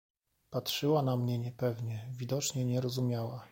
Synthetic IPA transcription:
patʂɘwanamɲɛɲɛpɛvɲɛvʲid̪ɔt͡ʂɲɛɲɛɾɔzumʲjawa

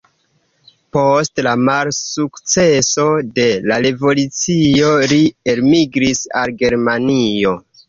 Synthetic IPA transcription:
postlamalsukt͡se̞so̞de̞laɾe̞vo̞lut͡sio̞ɾielmiɡɾisa̰lɡe̞ɾmanio̞

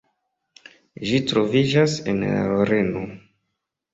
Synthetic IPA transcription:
ʒitɾo̞vid͡ʒasḛna̰oɾeno

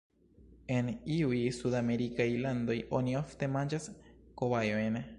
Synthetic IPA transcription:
e̞niujsudame̞ɾikajlando̞jo̞niofte̞mand͡ʒaskoβajojn

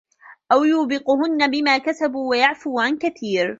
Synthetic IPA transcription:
ʔawjuːbɪqʊhʊnːabɪmaːkasabuːwajaʕfuːʕankaθiːɾ

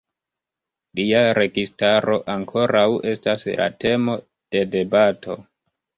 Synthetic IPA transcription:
liaɾe̞ɡistaɾo̞ʔaŋkʰo̞ɾawe̞stasla̰te̞mo̞ | d̥e̞de̞batʰo̞

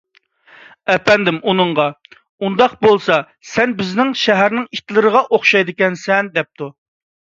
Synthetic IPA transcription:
ɛpɛnd̪ɪmʔunɨɴʁɑ | und̪ɑqbolˠsɑ | sɛnbɪznɪŋʃɛɦæɾnɪŋit̪lˠɨɾəʁɑʔoχʃɑjd̪ɪkʲɛnsɛnd̪ɛp̚t̪u

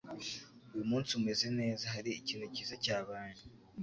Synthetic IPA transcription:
ujumuːnsiume̞ze̞ne̞ːzaɦaɾiiciːnucizacaːβaːnu

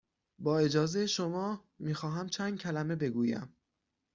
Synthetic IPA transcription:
bɒːe̞d͡ʒɒːze̞jeʃomɒː | miːxɒːɦæmt͡ʃʰæːnd̪̥̚cʰælæme̞be̞ɡuːjæ̰m

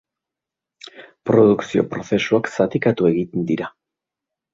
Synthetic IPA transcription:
pɾo̞ðuksio̞̰pɾo̞se̞suaksat̪ikat̪ue̞ɣit̪end̪iɾa

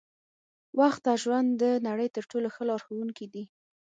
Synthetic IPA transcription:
waxt̪̚d̪ɑʒwand̪d̪ənaɽəjt̪əɾʈoloxəlɑɾxawuŋkid̪i

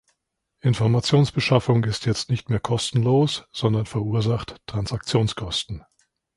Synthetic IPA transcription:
ʔɪnfɔɐmat͡sjoːnsb̥əʃafʊŋɪstjɛt͡stnɪçtmeːɐkʰɔstn̩loːsz̥ɔndɐnfɛɐuːɐzaχttʁ̥ansak̚t͡sjoːnskʰɔstn̩

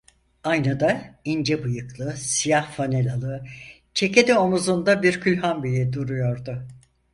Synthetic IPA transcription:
ajnad̪aind͡ʒɛbujɯklˠɯsijahfanelʲalˠɯ | t͡ʃʰe̞ce̞d̪io̞muzund̪abiɾcʰylʲɦanbijid̪uɾujo̞ɾd̪ʊ

